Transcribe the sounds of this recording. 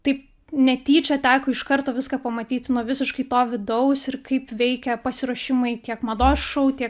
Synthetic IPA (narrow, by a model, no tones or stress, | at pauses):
t̪ɐɪp̚ | nʲɛt̪ʲiːt͡ʃʲɐt̪ʲæːkoːɪʃkɐrt̪oːʋʲɪskɐːpɐmɐt̪ʲiːt̪ʲnuɔʋʲɪsʲɪʃkɐɪt̪oːʋʲɪd̪ɐʊsɪrkɐɪpʋʲɛɪkʲɛpɐsʲɪɾuɔʃʲɪmɐɪt̪ʲiɛkmɐd̪oːsʃɐʊt̪ʲiɛk